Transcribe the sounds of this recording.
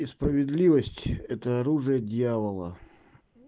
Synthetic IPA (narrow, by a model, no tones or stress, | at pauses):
ispɾəvʲɪd̪lʲivəsʲtʲɛt̪əɐɾuʐɨjədʲjavəlˠə̰